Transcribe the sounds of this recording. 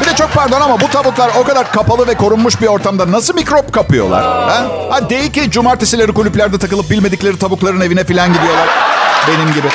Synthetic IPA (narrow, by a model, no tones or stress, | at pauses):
bid̪ɛt͡ʃʰo̞k̚paɾd̪o̞namabut̪ʰabuklˠaɾo̞kad̪aɾkʰapalˠɯvɛkʰo̞ɾunmuʃbio̞ɾt̪ʰamd̪anasɯlˠmikɾo̞pkʰapɯjo̞̰lˠa̰ɾ̥hɛhad̪e̞jilʲcid͡ʒumaɾt̪ʰesilʲe̞ɾikulʲyplʲæɾd̪ɛt̪ʰakɯlˠɯp̚bilʲme̞d̪iclʲe̞ɾit̪ʰabuklˠaɾɯne̞vinɛfilʲanɟid̪ijo̞lˠaɾ̥be̞nimɟibɪ